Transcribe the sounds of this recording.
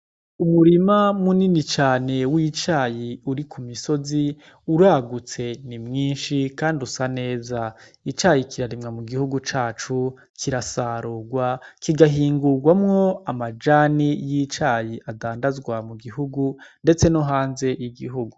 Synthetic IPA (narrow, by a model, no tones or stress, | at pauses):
umuɾimamuninit͡ʃaːne̞wit͡ʃaːjiuɾikʰumiso̞zi | uɾaːɡut͡se̞nimŋiːnʃikaːndiusane̞ːza | it͡ʃaːjikʰiɾaɾimŋamuɡihuɡut͡ʃaːt͡ʃu | kʰiɾasaːɾoɡwakiɡaɦiːŋɡuɡwamŋo̞amad͡ʒaːnijit͡ʃaːjiʔadaːndazɡwamuɡiɦuɡunde̞t͡se̞noɦaːnze̞ʔiɡiɦuɡu